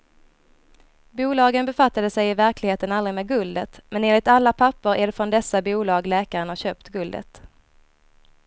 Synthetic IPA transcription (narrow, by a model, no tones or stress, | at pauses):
buːlɑːɡənbɛfat̪ːad̪əsɛjɪvæɾklɪɡheːt̪ənalɾɪmeːɡɵld̪ət̪mɛneːnlɪt̪alːapʰapːəɾʔæɖɛfɾɔnd̪ɛsːabuːlɑːɡlɛːkaɾənhaɕøːpt̪ɡɵld̪ə̰t̪